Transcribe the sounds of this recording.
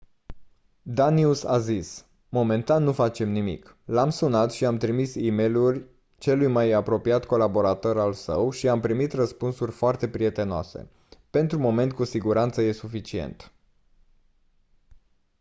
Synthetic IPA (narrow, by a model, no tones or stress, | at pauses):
d̪aniusa̰zis | mo̞me̞nt̪anːufat͡ʃe̞mnimḭk | lamsunat̪ʃiamt̪ɾimisimejlurʲ | t͡ʃe̞lujmajapɾo̞piat̪ko̞labo̞ɾat̪o̞ɾalsə̰wʃiampɾimit̪rəspunsurʲfoart̪e̞pɾie̞t̪e̞noa̰se̞̰ | pe̞nt̪ɾumo̞me̞nt̪̚kusiɡuɾant̪səje̞sufit͡ʃie̞̰nt̪